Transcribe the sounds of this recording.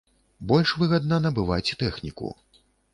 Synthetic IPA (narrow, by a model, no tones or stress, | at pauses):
bɔlʲʂvɨɣɐd̪̚nɐnɐbɨvajt͡sʲɛt̪ɛxnʲikṵ